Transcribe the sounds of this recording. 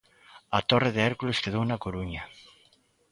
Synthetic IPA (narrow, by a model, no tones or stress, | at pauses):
at̪oreðeɛɾkuleskeð̞ownakoɾuɲa